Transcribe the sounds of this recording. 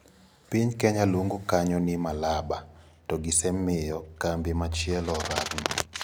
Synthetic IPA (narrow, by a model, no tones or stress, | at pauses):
piɲkɛɲaluŋɡukaɲɔnɪmalaba | tɔɡɪsɛmɪjɔkambɪmat͡ʃiɛlɔɾakŋ̰